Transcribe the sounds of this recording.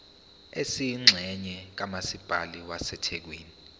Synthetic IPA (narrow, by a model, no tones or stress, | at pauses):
esijːŋ͡ǁʱɛɲɛk̬amasib̥ʱaliwasɛtʰɛk̬weːni